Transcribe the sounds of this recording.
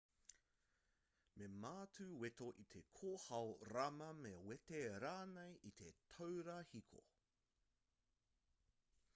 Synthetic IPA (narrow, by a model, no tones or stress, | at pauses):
memaːtʰʉwet̪oʔit̪ʰekʰoːhɐwɾɐmɐmewet̪eɾaːnejit̪ʰetʰowɾɐhikʰo̰